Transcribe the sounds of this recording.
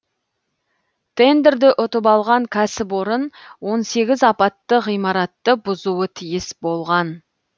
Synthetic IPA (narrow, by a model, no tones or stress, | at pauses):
t̪ʰe̞nd̪eɾd̪ɪʔʊt̪əpɑlˠʁɑŋkʲʰæsɪpoɾənwo̞nse̞ɡʲɪzɑpɑt̪ːəʁijmɑɾɑt̪ːəbʊzuət̪ʰijɪsbo̞lˠʁɑn